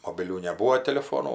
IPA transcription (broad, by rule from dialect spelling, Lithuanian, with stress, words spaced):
moːbʲɪˈlʲuː nʲɛˈbuːoː tʲɛlʲɪˈfoːnuː